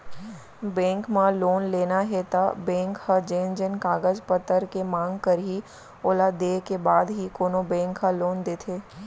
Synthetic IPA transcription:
bɛ̃ːŋkmãloːnleːnaɦɛt̪abɛ̃ːŋkhəd͡ʒẽːnd͡ʒənkaːɡəzpət̪ːəɾkemãːŋɡkəɾɦi | oːlad̪eːkebaːd̪ɦikoːnobɛ̃ːŋkʰːaloːnd̪eːt̪ʰeː

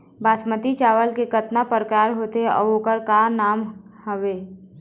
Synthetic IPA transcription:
baːsmət̪it͡ʃaːʋəlkekət̪napəɾkaːɾɦoːt̪eɔ̰ːoːkəɾkaːnaːmhəʋeː

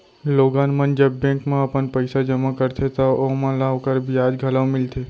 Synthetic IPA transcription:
loːɡaːnmənd͡ʒɐbːɛ̃ːkmẽɐpənpəɪsad͡ʒɐmakəɾt̪ʰet̪oomãlaokəɾbʱiaːd͡ʒɡʱɐlaʋmɪlt̪ʰeː

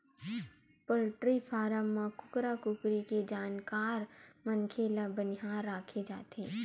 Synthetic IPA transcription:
pəlʈɾipʰaːɾəmːãkʊkɾakʊkɾiked͡ʒaːnkaːɾmənkʰelabənɪɦaːɾːaːkʰed͡ʒaːt̪eː

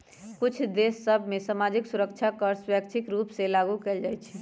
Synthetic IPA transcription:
kut͡ʃʰd̪esːəbʱmesamad͡ʒiksuɾəkt͡ʃʰakəɾswjəkt͡ʃʰikɾupselaɡukeld͡ʒajt͡ʃʰɛ

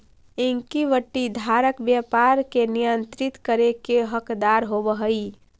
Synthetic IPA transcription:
ɪŋkiʋəʈːid̪ʱaɾəkbjəpaɾkenijənt̪ɾit̪kəɾekeɦəkd̪aɾɦobəɦəi

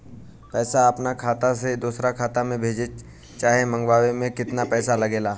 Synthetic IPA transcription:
pɛːsaɐpnakʰaːt̪ased̪uːsɾakʰaːt̪amẽbʱeːd͡ʒe | t͡ʃaːɦemɐ̃ŋɡwaːwemẽkɪt̪napɛːsalɐɡeːlaː

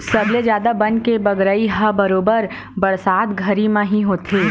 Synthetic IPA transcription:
sɐbled͡ʒjaːd̪abɐnkebəɡɾəiɦəbəɾoːbəɾ | bɐɽsaːt̪ɡʱɐɾimãɦĩɦoːt̪ʰeː

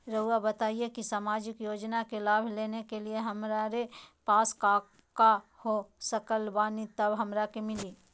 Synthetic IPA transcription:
ɾəuabɐt̪aːiekisaːmaːd͡ʒɪkjoːd͡ʒnakelaːbʱleːnekelieɦɐmɾaɾepaːskaː | kahosɐkəlbaːnit̪ɐbɦɐmɾakemɪliː

